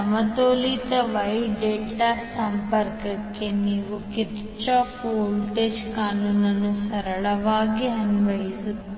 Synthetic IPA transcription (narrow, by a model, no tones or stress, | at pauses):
ɐmɐt̪oːlit̪ɐʋɐjɖeːʈasɐmpɐɾkɐkːe̞niːʋukiɾ | t͡ʃaːpoːlʈeːd͡ʒkaːnuːnɐnusɐɾɐɭɐʋaːɡiɐnʋɐjisu